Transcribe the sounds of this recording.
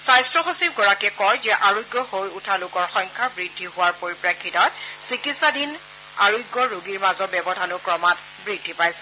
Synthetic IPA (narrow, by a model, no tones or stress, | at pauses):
sajstɹɔxosip̚ɡɔɹakɛkɔjzɛʔaɹojɡɔhojutʰalʊkɔɹxɔŋkʰaɹbɹidʱːiɦʊwaɹpoɹipɹakʰːitɔt̚sikitsadin | a̰ɹojɡɔɹoɡiɹmazɔbɛbɔdʱanʊkɹɔmat | bɹidʱːipajsɛ